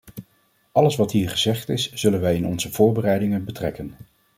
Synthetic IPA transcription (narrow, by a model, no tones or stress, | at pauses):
ɑləsʋɑtɦiːɹχəzɛχtɪsz̥ɵlənʋɛjɪnɔnzəvʊːɹbərɛjdɪŋənbətrɛ̰kən